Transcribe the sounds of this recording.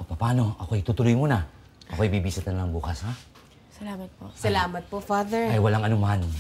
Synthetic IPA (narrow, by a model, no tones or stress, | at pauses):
pɐpaːno̞ɐko̞jt̪ut̪ʊlojmuːna | ɐkojbibisɐt̪ɐnɐlaŋbuːkɐsha | sɐlamɐt̪̚posɐlaːmɐt̪̚pofaːðɛɹajwɐlaŋɐnoman